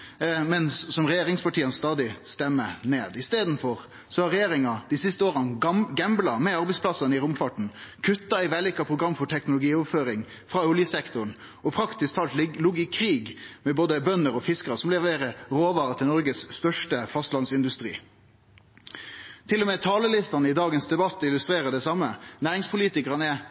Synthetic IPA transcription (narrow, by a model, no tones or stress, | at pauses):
mɛnsːɔmɾɛjeːɾɪŋspɑʈiːənst̪ɑːd̪ɪst̪ɛmːəneːd̪ɪst̪eːd̪n̩fɔɾ | sɔɑɾɛjeːɾɪŋɑd̪̥ɪsɪst̪əoːʁənɡɛmblɑmɛɑɾbɛɪspʰlɑsɑnəɪɾʊmfɑʈɳ̩kʰʉt̪ːɑæɪʋæːlɪkɑpʰʁʊɡɾɑmːfɔʈʰɛknʊlʊɡiːɔʋføːɾɪŋ | fɾɑʊljəsɛkt̪ʊɳ | ɔpʰɾɑkt̪ɪsk̚t̪ʰɑːlt̪lʊɡɪkʰːɾiːɡmɛboːd̪əbœnːəɾɔfɪskəɾsɔmlɛʋeːɾəɾoːʋɑːɾət̪ʰɪlɔɾɡəsst̪œʂʈəfɑst̪lɑnsɪnd̪ʉst̪ɾḭː | t̪ʰɪlːɔmɛːt̪ʰɑːləlɪst̪ɑnəɪd̪ɑːɡənsd̪ɛbɑt̪ːɪlʉst̪ɾeːɾəɖ̪ɛsɑmːənæːɾɪŋspʰʊliːt̪ɪkəʁɑnəɛ